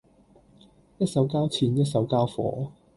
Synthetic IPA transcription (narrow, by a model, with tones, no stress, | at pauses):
jɐ˥t̚sɐ˨˥wkaː˥wt͡sʰiː˨˧njɐ˥t̚sɐ˨˥wkaː˥wfɔ̰ː˨˥